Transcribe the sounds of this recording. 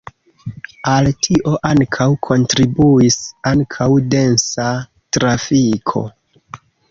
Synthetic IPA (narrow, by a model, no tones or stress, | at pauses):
altʰiʔo̞ʔaŋkʰawkʰo̞ntɾibuisaŋkʰawde̞nsa | tɾafikʰo̞̰